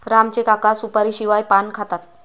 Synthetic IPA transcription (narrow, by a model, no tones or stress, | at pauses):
ɾamt͡ɕekakasupaɾiːɕiʋajpankʰat̪at̪̚